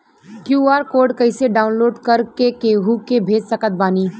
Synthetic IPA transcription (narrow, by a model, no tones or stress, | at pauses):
kjuːaːɾkoːɾɖkəɪseɖaːʊnloːɖkɐɾkekeɦukebʱeːd͡ʒsɐkət̪̚baːniː